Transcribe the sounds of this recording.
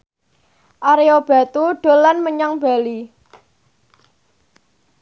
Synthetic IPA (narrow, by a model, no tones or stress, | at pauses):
ʔaɾeob̥a̤t̪uɖ̥o̤lanməɲaŋb̥a̤li